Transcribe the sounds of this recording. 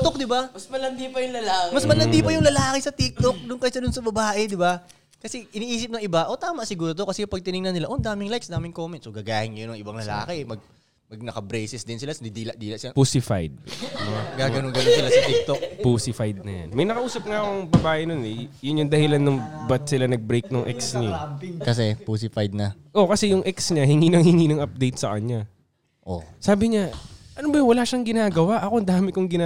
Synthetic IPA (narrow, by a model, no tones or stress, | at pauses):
t̪ok̚d̪ɪbamɐsmɐlɐnd̪ipɐjʊŋlɐlamɐsmɐlɐd̪iːpɐjʊŋlɐlaːkɪsɐt̪ik̚t̪o̞k̚nʊŋkɐjsɐd̪ʊnsɐbɐbaːʔɛd̪ɪba | kɐsɛʔɪniːʔiːsɪp̚nɐŋʔɪbaʔo̞t̪aːmɐʔsɪɡuːɾot̪o̞kɐsɛpɐɡ̚t̪ɪnɪŋnɐnɪlaʔond̪aːmɪŋlajksd̪aːmɪŋkoːmɛnt̪soɡaːɡaːhɪŋːɐjonɐŋʔɪbaŋlɐla̰ːkɪɛmɐɡ̚ | mɐɡ̚nɐkɐbɾɛjsɛsd̪ɪnsɪlasd̪id̪ːlɐʔd̪iːlɐʔsɪlapuːsɪfa̰jd̪̚d̪ɪbaɡaːɡɐnoŋɡɐnonsɪlasɐt̪ɪk̚t̪ok̚puːsɪfajd̪̚nɐja̰nmɐjnɐkɐʔuːsɐp̚ŋakoŋbɐbaːʔɪnonɛjʊnjʊŋd̪ɐhɪlanːɐŋbɐt̪̚sɪlanɐɡ̚bɾejk̚nʊŋʔɛksɲakɐs̬ɛpuːs̬ɪfajd̪̚nɐ | ʔo̞kɐsɛjʊŋʔɛksɲahɪŋiːnɐŋhɪŋiːnɐŋʔɐp̚d̪ejt̪̚sɐkɐɲa | ʔo̰saːbɪɲaʔɐnobɐwɐlaʃɐŋɡɪnaːɡɐwaʔɐko̞nd̪aːmɪkoŋɡɪna